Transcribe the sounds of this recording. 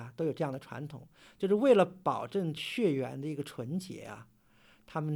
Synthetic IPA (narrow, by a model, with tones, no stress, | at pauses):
t̪o˥ʊjo˨˩ʈ͡ʂɤ˥˧jɑ˥˩ŋd̪ə˩ʈ͡ʂʰwa̰˧˥nt̪ʰʊ̰˨˩˦ŋ | t͡ɕjo˥˧ʊʂ̬ɻ̩˥˧we˥˩ɪlə˩pɑ˨˩ʊʈ͡ʂə˥˩˧ŋt͡ɕʰɥɛ˥˩ɥɛ˧˥nd̪ə˧i˧˥ɡə˧ʈ͡ʂʰwə˧˥nt͡ɕjɛ̰˧˥ɐ̰˧ | t̪ʰa˥mə˨n